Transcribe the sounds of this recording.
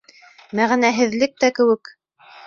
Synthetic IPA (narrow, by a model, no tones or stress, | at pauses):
mæʁnæɦɘ̆ðlɘk̚t̪ækɘ̆wɘk